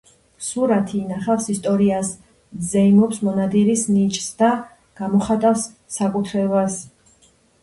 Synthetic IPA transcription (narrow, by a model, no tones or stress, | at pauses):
suɾat̪ʰiːnaχafsist̪ʼɔɾias | zɛimɔpsmɔnad̪iɾisnit͡ʃʼsd̪a | ɡ̥amɔχat̪ʼafsː | akʼut̪ʰɾɛbas